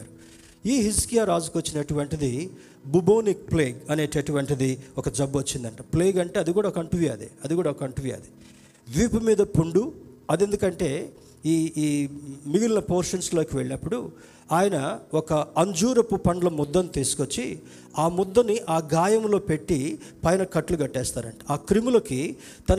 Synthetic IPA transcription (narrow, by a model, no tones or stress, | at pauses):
ɾu | iːɦiskijaːɾaːd͡ʒukot͡ʃːinɐeʈuʋɐɳʈid̪i | buboːnik̚pleːɡɐne̞ːʈeʈuʋɐɳʈid̪iɔkɐd͡ʒɐbʋot͡ʃːind̪ɐɳʈɐːpleːɡɐɳʈeːɐd̪ikuːɽaɔkɐɳʈuʋiɐ̰ːd̪eɐd̪iɡuːɽaːɔkɐɐɳʈuʋiɐ̰d̪e | ʋiːpumiːd̪ɐpuɳɖu | ɐd̪e̞nd̪ukɐɳʈe̞ː | iːiːmiɡilinɐpoːɾʂɐnslo̞ːkiʋeɭinɐpːuɽu | aːjɐnɐɔkɐɐɲd͡ʒuːɾɐpupɐɳɖlɐmɔd̪ːɐnit̪iːsu̥kot͡ʃːi | aːmɔd̪ːɐnːiʔaːɡaːjɐmlo̞ːpe̞ʈːipɐjnɐkɐʈːluɡɐʈːɛːst̪aːɾɐ̰ɳʈɐ̥aːkɾimulɐki | t̪ɐn